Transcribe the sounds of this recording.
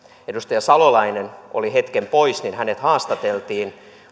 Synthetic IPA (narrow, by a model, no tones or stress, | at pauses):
edust̪ɑjɑsɑlolɑinenolihet̪kempoisninhænet̪hɑːst̪ɑt̪elt̪iːn